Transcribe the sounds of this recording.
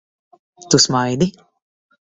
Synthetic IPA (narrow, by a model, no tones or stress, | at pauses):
t̪usmajd̪i